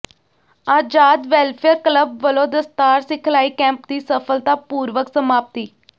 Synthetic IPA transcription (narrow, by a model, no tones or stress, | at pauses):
aːd͡ʒaːd̪ʋɛːlpʰɛɾkləbʋəlõːd̪əst̪aːɾsɪkʰlaːiːkɛ̃ːmpd̪iːsəpʰəlt̪aːpuːɾʋəksəmaːp̚t̪iː